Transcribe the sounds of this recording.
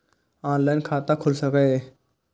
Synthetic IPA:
aːnlaːjnkʰaːt̪ãːkʰʊlsəkẽe

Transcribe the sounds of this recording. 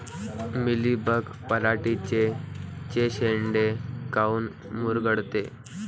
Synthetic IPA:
milibək | pəɾaʈit͡ɕet͡ɕeɕeɳɖekauːn | muɾɡəɽt̪e

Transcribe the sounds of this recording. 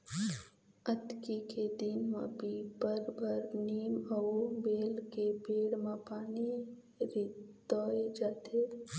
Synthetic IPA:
ət̪kiked̪inmãbʱipəɾbʱəɾniːməbeːlkebeːɽmãpaːni | ɾid̪̥ɔːed͡ʒaːt̪eː

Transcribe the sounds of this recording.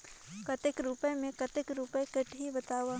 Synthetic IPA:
kɐt̪ɪkɾupemẽkət̪ɪkɾupekəʈɦibɐt̪aːwa

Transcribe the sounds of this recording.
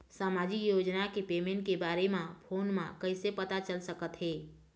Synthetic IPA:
saːmaːd͡ʒikjoːd͡ʒnakepeːmẽɳʈkebaːɾemãpʰoːnmã̰kəɪsepət̪at͡ʃəlsəkət̪ɦɛː

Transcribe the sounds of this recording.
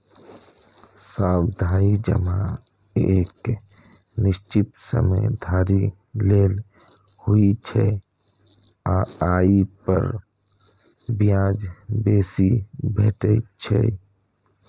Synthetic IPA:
saːbd̪ʱaːid͡ʒə̰ma | eːk | nɪʃt͡ʃɪt̪sə̰məjd̪ʱaːɾi | leːl | huit͡ʃʰɛ | aaːipə̰ɾ | bijãːd͡ʒbeːsibeːʈet͡ʃʰɛ̰

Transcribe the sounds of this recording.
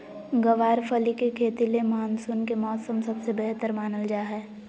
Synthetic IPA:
ɡɐʋaːɾpʰɐlikekʰeːt̪ilemaːnsʊnkemɔːsəmsɐbsebɛɦt̪əɾmaːnəld͡ʒaːɦɛː

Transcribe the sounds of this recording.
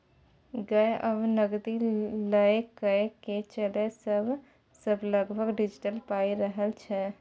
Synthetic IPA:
ɡəeʔəbnəɡd̪iləekəket͡ʃəlesəbʱ | səbʱləɡbʱəɡɖid͡ʒiʈəlpaiɾəɦəlt͡ʃʰɛ

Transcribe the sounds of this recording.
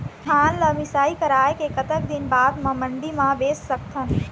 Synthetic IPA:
t̪ʰaːnləmɪsaːikɐɾaːekekɐt̪ək̚d̪ɪnbaːd̪mãmə̃ɳɖimãbeːsːɐk̚t̪ʰən

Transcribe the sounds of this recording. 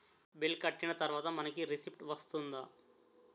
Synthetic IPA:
bilkɐʈːinɐt̪ɐɾʋaːt̪ɐmɐnɐkiɾisipʈʋɐst̪und̪a

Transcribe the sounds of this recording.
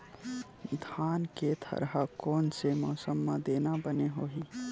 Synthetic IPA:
d̪ʱaːnket̪ʰɐ̰ɾɦakɔːnsemɔːsəmːãd̪eːnabəneɦoːɦi

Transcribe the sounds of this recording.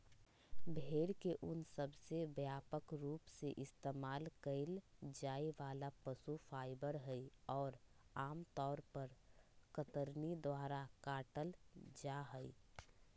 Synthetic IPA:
bʱeːɽkeʔʊnsəbsebjaːpəkɾuːpseʔɪst̪eːmaːlkəɪld͡ʒaːiʋaːlapəsufʰaːɪbəɾɦəiɔːɾaːmt̪ɔːɾpəɾkət̪əɾnid̪waːɾakaːʈəld͡ʒaɦəi

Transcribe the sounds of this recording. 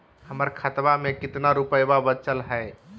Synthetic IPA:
həməɾkʰət̪bamekɪt̪naɾupəjbabət͡ʃəlɦəe

